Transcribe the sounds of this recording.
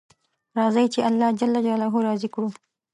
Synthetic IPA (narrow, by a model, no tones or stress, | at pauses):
ɾɑzəjt͡ʃealːɑd͡ʒalːad͡ʒalaɦoɾɑzikɽu